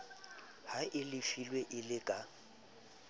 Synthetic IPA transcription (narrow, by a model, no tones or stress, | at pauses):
haʔɪlɪfilweʔɪlɪkʼa